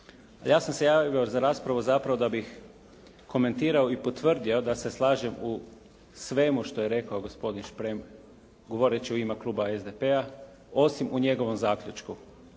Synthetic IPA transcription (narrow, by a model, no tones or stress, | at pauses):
aljaːsamse̞jaːʋjozaɾaːspɾaʋozapɾaʋo̞d̪abix | kʰo̞me̞nt̪iːɾaoipo̞t̪ʋr̩d̪io̞d̪ase̞slˠaːʒemu | sʋe̞muʃt̪o̞je̞ɾe̞kaoɡo̞spo̞d̪inʃpɾem | ɡo̞ʋo̞ɾet͡ɕiuimaklˠuːbaezd̪epea | o̞simuɲe̞ɡo̞ʋo̞mzaːkʎʲut͡ʃku